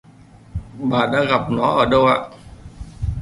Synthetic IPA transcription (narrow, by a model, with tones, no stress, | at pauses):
ɓaː˨˩ɗa̰ː˧˥ɣa˨˩p̚nɔ˨˦ʔəː˧˩ɗə˧wʔa̰ː˧˨ʔ